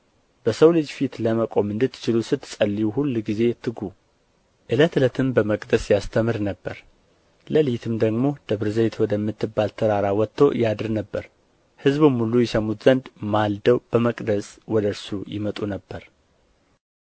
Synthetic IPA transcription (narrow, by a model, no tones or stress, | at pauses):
b̥əsəwlɨd͡ʒfit̪ləməkʼo̞mɨnd̪ɨt̪ːt͡ʃɪlusɨt̪ːsʼəlːiwuhulːɡize̞t̪ʰɨɡu | ʔɨlət̪ɨlət̪ʰɨmbəməkʼd̪əsjast̪ʰəmɨɾnəbːəɾ | ləlijt̪ʰɨmd̪əɡmo̞d̪̥əβɾɨzəjt̪ʰwɔd̪əmːɨt̪ːɨbːalt̪ʰəɾaɾawɔt̪ʰːo̞̰jad̪ɨɾnəbːəɾ | hɨzβɨmhulːujɛsəmːut̪z̥ənd̪mald̪əwb̥əməkʼd̪əswɔd̪əɾsujɪ̰mət̪ʼunəbːəɾ